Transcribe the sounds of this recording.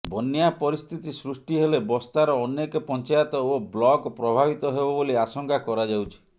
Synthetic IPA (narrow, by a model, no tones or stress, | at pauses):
bɔnjapɔɾist̪ʰit̪isɾusʈiɦelebɔst̪aɾɔːnekɔpɔnt͡ʃajɔt̪ɔoblɔɡpɾɔbʱabit̪ɔɦebɔboliasɔŋkʰakɔɾad͡ʒawt͡ʃʰi̥